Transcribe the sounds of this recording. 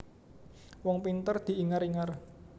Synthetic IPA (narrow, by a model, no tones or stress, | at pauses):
wɔŋpint̪ərd̪̥i̤ʔiŋaɾiŋar